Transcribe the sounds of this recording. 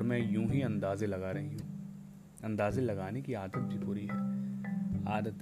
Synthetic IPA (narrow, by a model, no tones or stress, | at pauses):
ɾmɛ̃jũːɦiɐ̃nd̪aːzelɐɡaːɾɐɦiɦũ | ɐ̃nd̪aːzelɐɡaːnekiaːd̪ət̪̚bʱipʊɾiɦɛː | a̰ːd̪ət̪